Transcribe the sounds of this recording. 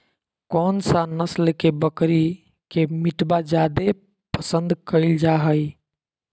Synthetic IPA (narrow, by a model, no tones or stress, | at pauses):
kɔnsanəslekebəkɾi | kemiʈbad͡ʒad̪e | pəsə̃nd̪kəɪld͡ʒaɦəj